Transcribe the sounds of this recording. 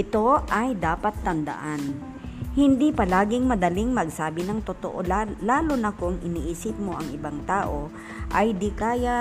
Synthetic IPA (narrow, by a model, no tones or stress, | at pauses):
ʔɪt̪o̞ʔɐjd̪aːpɐt̪ːɐnd̪ɐ̰ʔan | hɪnd̪ipɐlaːɡɪŋmɐd̪ɐlɪŋmɐɡsaːbɪnɐŋt̪ot̪o̰ʔolaːlonɐkʊŋʔɪniʔiːsɪp̚mo̞ʔɐŋɪbaŋt̪aːʔo̞ | ʔɐjd̪ɪkaːja